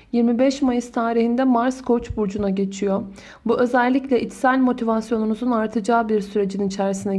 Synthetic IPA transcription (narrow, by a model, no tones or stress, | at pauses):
jiɾmibɛʃmajɯz̥t̪ʰaːɾihind̪ɛmaɾskʰo̞t͡ʃbuɾd͡ʒunaɟe̞t͡ʃʰijo̞ | buʔø̞zɛlʲːiclʲɛʔit̪sælʲmo̞t̪ʰivasjo̞numuzunaɾt̪ʰɯd͡ʒaːbiɾsyɾe̞d͡ʒininit͡ʃʰæɾisinɛ